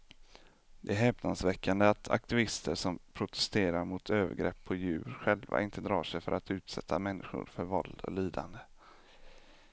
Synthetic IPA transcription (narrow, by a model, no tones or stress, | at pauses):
d̪ɛæɾɦɛːpnansvɛkʰːand̪əat̪ʰa̰k̚t̪ɪvɪst̪ʰəʂɔmpʰɾʊt̪ʰɛ̥st̪eːɾaɾmʊt̪ʰøːvə̰ɾɡɾɛpʰːɔjʉ̟ːɾɧɛlva̰ʔɪnt̪əd̪ɾɑ̰ːʂɛjfœɾat̪ʉ̟ːt̪sɛt̪ʰːamɛnːɪɧʊ̰ɾfœɾvɔld̪ɔ̰liːd̪a̰nd̪ə